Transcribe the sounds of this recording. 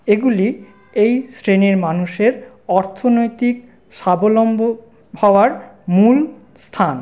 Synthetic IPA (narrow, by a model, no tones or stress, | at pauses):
eɡuli | ejsɾeneɾmanuʃeɾ | ɔɾt̪ʰonojt̪ik̚ | ʃabolombo | hɔoaɾmul | st̪ʰan